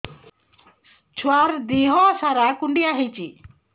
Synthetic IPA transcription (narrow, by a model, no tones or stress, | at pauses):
t͡ʃʰwaɾd̪iɦɔsaɾakuɳɖijaɦit͡ʃi